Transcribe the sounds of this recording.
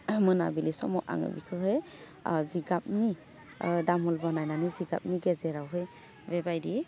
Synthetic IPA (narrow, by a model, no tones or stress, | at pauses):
mɯnabilisɔmɔʔa̰ŋɯ̰bikʰɯɦɯj | ziɡap̚ni | damɔlbɔnajnaniziɡa̰p̚niɡezeɾawɦɯj | bebajɾi